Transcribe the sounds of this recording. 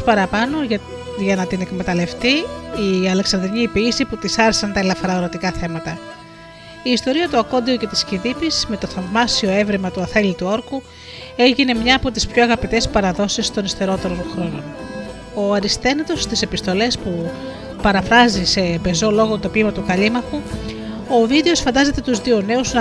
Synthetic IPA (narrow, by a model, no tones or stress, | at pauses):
spɐɾɐpɐno̞ʝɐ | ʝɐnɐt̪ine̞kme̞t̪ɐle̞ft̪iiɐle̞ksɐnd̪ɾiɲiːpiːsiput̪isɐɾesɐnt̪ɐelɐfɐɾɐoɾot̪ikɐθe̞mɐt̪ɐ | iːst̪o̞ɾiɐt̪uɐko̞nd̪iuce̞t̪i̥sciðipisme̞t̪o̞θɐvmɐsio̞e̞vɾimɐt̪uɐθelit̪uo̞ɾku | e̞ʝine̞mɲɐːpo̞t̪ispçoɐɣɐpit̪e̞spɐɾɐðo̞sist̪o̞nist̪eɾo̞t̪e̞ɾo̞nxɾo̞no | o̞ɐɾist̪e̞nɐt̪o̞st̪ise̞pist̪o̞le̞spu | pɐɾɐfɾɐzise̞pe̞zo̞lo̞ɣot̪o̞pimɐt̪ukɐʎimɐxu | o̞vid̪e̞o̞sfɐnd̪ɐze̞t̪e̞t̪uzðione̞uzn